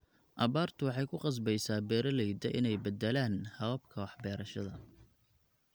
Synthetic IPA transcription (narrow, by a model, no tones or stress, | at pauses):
ʔɐβaːrt̪ʰʊwɑħɑjkʰʊqɑs̬bɛjsaːbɛːɾɐlɛjd̪ɐʔɪnɛjbɐd̪ɛlaːnhɐβɐb̚kʰɐwɑħbɛːɾɐʃɐðɐ